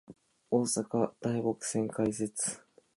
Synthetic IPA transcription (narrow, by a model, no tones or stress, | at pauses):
o̞ːsakad̪̥aiɡo̞kɯ̟̥sẽ̞ŋkais̬e̞t͡sɨ̥